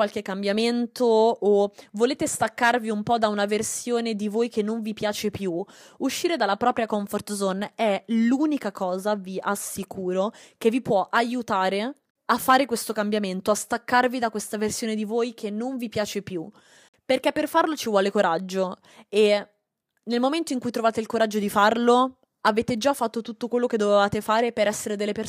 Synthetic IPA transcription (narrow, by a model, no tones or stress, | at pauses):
walk̟ekːambjament̪oː | voleːt̪est̪akːarviumpɔd̪aunaversjoːned̪ivojkenːoɱvipjaːt͡ʃepjuuʃːiːɾed̪alːapɾɔːpɾjakɔɱfort̪zonɛluːnikakʰɔːzaviʔasːikʰuːɾokevːipwɔʔajut̪aːɾe | afːaːɾekwest̪okambjament̪oast̪akːarvid̪akwest̪aversjoːned̪ivojkʰenːoɱvipjaːt͡ʃepju | perkepːerfarlot͡ʃivwɔːlekoɾad͡ʒːo | e | nelmoment̪oiŋkujt̪ɾovaːt̪eilkoɾad͡ʒːod̪ifarlo | aveːt̪ed͡ʒafːat̪ːot̪ut̪ːokwelːoked̪ovevaːt̪efaːɾepeɾɛsːeɾed̪elːepeɾ